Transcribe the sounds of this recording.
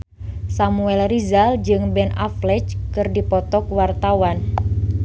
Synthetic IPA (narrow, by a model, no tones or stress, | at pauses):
samuɛlrizald͡ʒɨŋbɛna̰flɛt͡ʃkɨrdipɔt̪ɔkwart̪awan